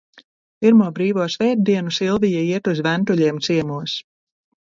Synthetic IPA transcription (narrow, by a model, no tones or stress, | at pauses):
piɾmuɔbɾiːvuɔsvɛːd̪̚d̪iɛnusilˠvijaiɛt̪uzvænt̪uʎʲiɛmt̪siɛmuɔs